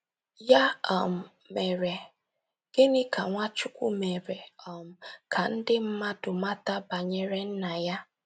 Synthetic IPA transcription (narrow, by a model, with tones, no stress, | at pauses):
ja˦ɔ˨m̩˨ | me˨ɾe˨ | ɡ̥e˦nɪ˦ka˨ŋʷa˦t͡ʃʊ˦kʷu˦me˨ɾe˨ɔ˨m̩˨kʰa˨n̩˦dɪ˦m̩˦ma˦dʊ˨ma˦ta˦ba˨ɲe˨ɾe˦n̩˦na˨ja˦